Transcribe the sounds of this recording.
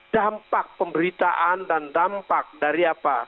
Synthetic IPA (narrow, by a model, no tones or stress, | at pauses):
d̥ampak̚pəmbəɾit̪aʔandandampak̚daɾiapa